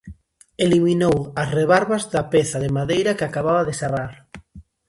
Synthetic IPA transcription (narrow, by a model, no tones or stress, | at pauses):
eliminowɐsreβaɾβazðapeθɐðɪmaðejɾakɪakaβaβaðɪsaraɾ